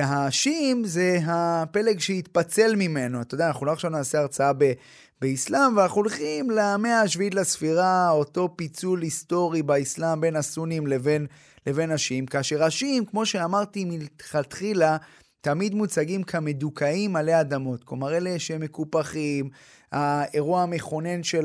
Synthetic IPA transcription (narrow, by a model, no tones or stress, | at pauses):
ɦaʃimze̞ɦape̞leɡʃeit̪pat͡se̞lmime̞noatod̪anaχuloaχʃavnaːseaʁt͡saabe | beislamveanaχuulχimlame̞aʃviit̪lasfiʁao̞to̞pit͡sulist̪o̞ʁibaislambe̞nasunimleve̞n | le̞ve̞naʃimkaːʃe̞ʁaʃimkmo̞ʃeamaʁt̪imilχat̪χila | t̪amid̪mut͡saɡimkʰame̞d̪ukʰaimːale̞ad̪amo̞t̪komaʁeleʃeme̞kupaχim | ae̞ʁuaame̞χo̞ne̞nʃe